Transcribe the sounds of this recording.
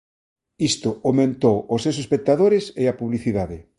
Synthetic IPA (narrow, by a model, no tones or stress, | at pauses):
ist̪ʊomẽnt̪owosewsespek̚t̪aðoɾeseapuβliθiðaðɪ